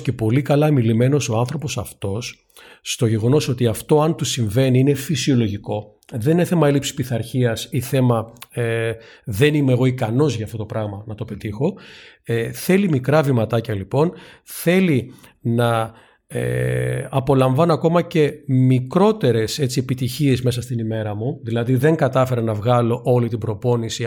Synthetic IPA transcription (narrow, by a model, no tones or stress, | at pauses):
ce̞po̞likɐlɐmilime̞no̞so̞ɐnθɾo̞po̞sɐft̪o̞sː | t̪o̞ʝe̞ɣo̞no̞so̞t̪iɐft̪o̞ɐnt̪usiɱve̞niinefisio̞lo̞ʝiko̞ | ðe̞nineθe̞mɐe̞lipsispiθɐɾçiɐsiθe̞mɐ | ðe̞nimeɣo̞ikɐno̞zʝɐft̪o̞t̪o̞pɾɐɣmɐnɐt̪o̞pe̞t̪ixo̞ | θe̞limikɾɐvimɐt̪ɐcɐlipo̞nθe̞li | nɐ | ḛɐpo̞lɐɱvɐnoɐko̞mɐce̞mikɾo̞t̪e̞ɾe̞se̞t͡sie̞pit̪içie̞zme̞sɐst̪inime̞ɾɐmuðilɐðiðe̞ŋɡɐt̪ɐfe̞ɾenɐvɣɐlo̞ʔo̞lit̪ibɾo̞po̞nisi